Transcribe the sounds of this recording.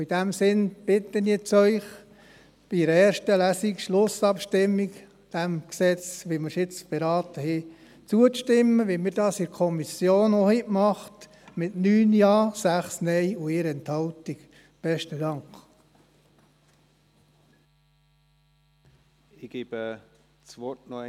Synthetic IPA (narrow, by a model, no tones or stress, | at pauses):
id̥æmsɪnb̥ɪt̪ːənit͡sœʏχ | b̥iɾəɛːɾʃtəlæsikʃlʊsɑpʃtɪmːik | d̥æmksɛt͡sʋiməsɪt͡sb̥ɛɾɑːt̪əhi | t͡suəʃtɪmːəʋimɪɾdɑːsɪɾkʰɔmisjoːnohɪʔmɑχt | mɪtnyːnjɑːsæχsnɛjʊɪɾɛnthɑltik | b̥ɛʃtədɑŋk | ɪɡ̥eːb̥ə | t͡sʋɔtnɔ